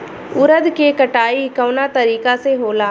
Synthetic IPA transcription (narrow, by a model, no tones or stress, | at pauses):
ʊɾəd̪kekəʈaːikəʊnat̪ɐɾiːkaseɦoːlaː